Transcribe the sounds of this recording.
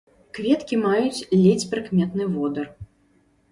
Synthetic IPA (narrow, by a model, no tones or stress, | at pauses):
kvʲɛt̪kʲimajut͡sʲlʲɛt͡sʲpɾɨkmʲɛt̪nɨvɔd̪ɐr